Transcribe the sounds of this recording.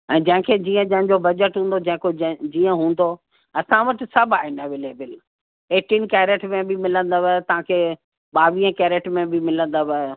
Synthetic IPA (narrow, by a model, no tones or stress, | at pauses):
ɛ̃ːd͡ʑɐ̃ɦɪ̃kʰeːd͡ʑiːə̃d͡ʑɐ̃ɦɪ̃ɲd͡ʑobɐd͡ʑəʈɦũːn̆d̪od͡ʑɐ̃ɦɪ̃kod͡ʑiːə̃ɦũːn̆d̪o | ɐsãʋɐʈɪsɐbʱaːɦɪnəʋɪleːbɪl | eːʈiːnkɛːɾeʈmẽbɪmɪlə̃nd̪oʋɛt̪ɐʋ̤ãkʰeː | ɓaːʋĩːə̃kɛːɾeʈmẽbʱɪmɪlə̃nd̪oʋə